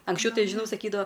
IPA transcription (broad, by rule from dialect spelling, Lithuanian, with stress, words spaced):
ɐŋksʲˈt͡ʃʲɛʊ ˈtɐɪ ʒʲɪˈnɐʊ sɐˈkʲiːdɐʋoː